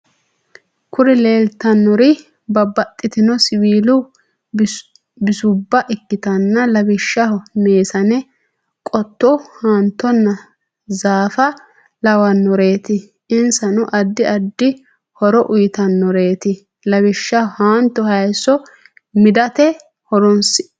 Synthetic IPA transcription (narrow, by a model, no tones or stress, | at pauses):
kʰʊɾɛleːlt̪ɐnːɔɾɪ | bɐbːɐt̪ʼːɪt̪ɪnɔsɪbiːlʊ | bɪsʊbːɐʔɪkːɪt̪ɐnːɐlɐbɪʃːɐhmeːsɐnɛ | kʼɔt̪ːɔhant̪ːɔnːɐ | zaːfɐ | lɐwɐnːɔɾe̞ːt̪ɪ | ɪnsɐnʊʔɐd̪ːɪɐd̪ːɪ | hɔɾɔʔʊjɪt̪ɐnːɔɾe̞ːt̪ɪ | lɐbɪʃːɐhaːnt̪ːɔhɐjsɔ | mɪd̪ɐt̪ɛ | hɔɾɔnsɪ̥